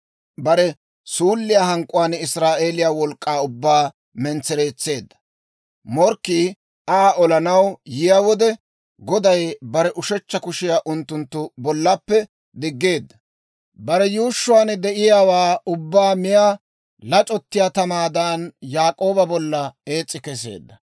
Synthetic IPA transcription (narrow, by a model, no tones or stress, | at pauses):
bɐɾɛ | suːlːɪjaːɦɐŋkʼʊwaːnɪsɾaːʔeːlɪjaːwɔlkʼːaːʊbːaː | mɛnt͡sːɛɾe̞ːt͡sːe̞ːd̪ːɐ̥ | mɔɾkːiː | aʔɔlɐnɐwjɪjaːwɔd̪ɛ | ɡɔd̪ɐjbɐɾɛʔʊʃɛt͡ʃːɐkʊʃɪjaːʔʊnt̪ːʊnt̪ːʊbɔlːɐpːɛ | d̪ɪɡːe̞ːd̪ːɐ | bɐɾɛjuːʃːʊwaːnd̪ɛʔɪjaːwaːʊbːaːmɪjaː | lɐt͡ʃʼɔt̪ːɪjaːt̪ɐmaːd̪aːnjaːkʼo̞ːbɐbɔlːɐe̞ːt͡sʼːɪkɛs̬e̞̰ːd̪ːɐ